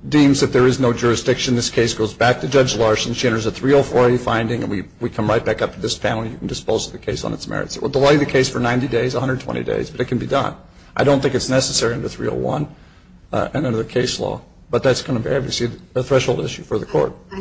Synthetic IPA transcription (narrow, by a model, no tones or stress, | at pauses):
dĩmzðɨt̪̚ðə˞ɨznoʊd͡ʒʊɹɨsd̥ɪkʃɨ̃n̩ðɪskʰeɪsɡ̥oʊzbæk̚tʰɨd͡ʒʌd͡ʒlɑɹsɨ̃n̩ʃiɛ̃ɾ̃ə˞zəθɹioʊfɔɹɾifãɪ̃ndɪ̃ŋɨ̰̃nwiwikʰʌ̃mɹaɪt̚b̥ækʌp̚tʰɨðɪspʰæ̃ñn̩ljɨkʰn̩dɨspoʊzʌðɨkʰeɪsn̩ɨtsmɛ̰ɹɨ̰tsɨʔ̚wə̰l̩ˠdəlaɪðɨkʰeɪsfə˞nãɪ̃ntideɪzəhʌ̃ndɹə˞d̚tʰw̥ɛ̰̃ḭdḛɪzbʌɾɨt̚kʰn̩bidʌ̰̃n | aɪɾõʊ̃nθɪ̃ŋkɨtsnɛsɨsɛɹiʌ̃ntəθɹḭo̰ʊwʌ̰̃n | ɨ̰̃nɨ̃nðɨkʰeɪslɔ̰ | b̥ʌt̪̚ðætsɡ̥ʌ̃nəbæbviɨsliɨθɹɛʃhoʊlˠdɪʃʉfə˞ðɨkʰɔ̰ɹt̚